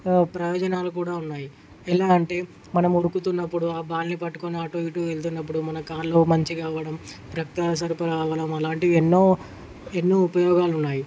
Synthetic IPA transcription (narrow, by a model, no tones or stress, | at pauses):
pɾɐjɔːd͡ʒɐnaːluk̬uːɽaːunːaːji | ɛlaːɐɳʈe̞ː | mɐnɐmuɽukut̪unːɐpːuɽuaːbaːlnipɐʈːu̥koneaːʈoːʋiʈuelt̪̬unːɐp̬ːuɽumɐnɐkaːɾlo̞ːmɐɲt͡ʃikaːʋɐɽɐm | ɾɐk̚t̪ɐsɐɾipɐɾaːʋɐɽɐmɐlaːɳʈienːoː | enːuːupɐjɔːɡaːlunːaːji